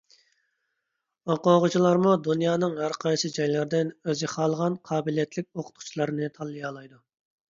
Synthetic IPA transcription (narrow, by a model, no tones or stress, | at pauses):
oqoːʁʊt͡ʃʰilˠɑɾmud̪unjɑːnɨŋɦæɾqʰɑjsɨd͡ʒɑjlɪɾd̪ɪnøzɪχɑːlˠəʁɑnqʰɑːbɪlijɛt̪lɪk̚ʲoqʰʊ̥t̪̚qʰʊ̥t͡ʃʰilˠɑɾnɨt̪ʰɑlˠːɨjɑːlˠɑjd̪u